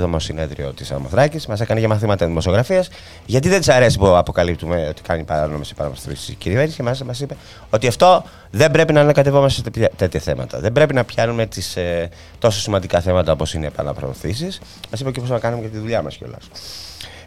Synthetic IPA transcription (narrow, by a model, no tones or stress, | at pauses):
ðomosine̞ðɾḭo̞̰t̪isɐ̰moθɾɐcizmɐsekɐneʝɐmɐθimɐt̪ɐðimo̞sioɣɾɐfiɐs | ʝɐt̪iðet̪isɐɾe̞si̥puɐpo̞kɐlip̚t̪umeo̞t̪i̥kɐnipɐɾɐnomesi̥pɐ̰ɐmsɾisisciɾiveɾnisi̥cemɐsisemɐsipe | o̞t̪iɐft̪o̞ | ðe̞mbɾe̞pinɐːnɐkɐt̪e̞vo̞mɐsest̪e̞t̪çɐθe̞mɐ̰t̪ɐ̰ðe̞mbɾe̞pinɐpçɐnume̞t̪ise | t̪o̞sosimɐnd̪ikɐθe̞mɐt̪ɐo̞posinepɐ̰nɐ̰pɾo̰ːθisis | mɐsipeceosɐnɐkɐnumecet̪iðuʎɐmɐsco̰lɐ̰s